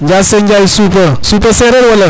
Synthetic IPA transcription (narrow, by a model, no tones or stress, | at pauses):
ɲd͡ʒaseɲd͡ʒaisupəsupəsɛɾɛɾwələ